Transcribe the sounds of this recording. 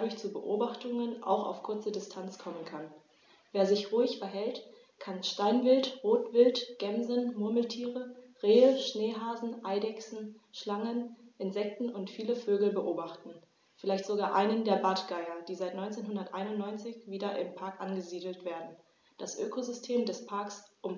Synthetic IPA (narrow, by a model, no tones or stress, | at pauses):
adʊɐçt͡subəʔo̰ːbaχtʊŋənʔa̰ʊxa̰ʊfkʰʊɐt͡sədɪstʰant͡skʰɔmənkʰan | veːɐzɪçʁuɪçfɛɐɦɛlt | kʰanʃtaɪnvɪltʁoːtv̥ɪltɡ̥ɛmzənmʊɐml̩tʰiːʁəʁeːəʃneːɦaːzn̩ʔaɪdɛksn̩ʃlaŋənʔɪnzɛk̚tn̩ʊntfiːləføːɡl̩bəʔoːbaχtn̩ | fɪlaɪçtz̥oɡaːɐʔaɪnəndeːɐbatɡ̥aɪɐd̥iːzaɪtnɔʏnt͡seːnhʊndɐtʔaɪnʊntnɔʏnt͡sɪçv̥iːdɐʔɪmpʰaɐkʔanɡəziːdl̩tv̥eːɐdn̩ | d̥asʔøːkʰozʏstʰeːmdɛspʰaɐksʔʊm